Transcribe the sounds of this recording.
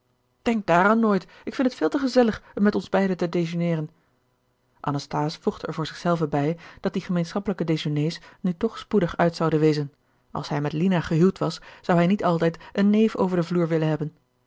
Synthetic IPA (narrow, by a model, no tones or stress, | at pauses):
d̥ɛŋk̚daːɾaːnːoːjt | ɪkfɪntətfɪːlˠtəχəzɛləχəmɛtɔnzbɛjdətədejʒonɪːrən | ʔɑ̰nɑstaːsfuχtəɛɹvʊːɹzɪχsɛlˠvəbɛjd̥ɑt̚diχəmejnsχɑpələkədezonejsnytɔχspudəχœɥtsɑwdənʋejzən | ʔɑ̰lˠsɦɛjmɛtlinaχəɦylˠtʋɑsz̥ɑwɦɛjnitɑlˠtɛjtənːejfo̰wvəɹdəvluːɹʋɪlənɦɛbən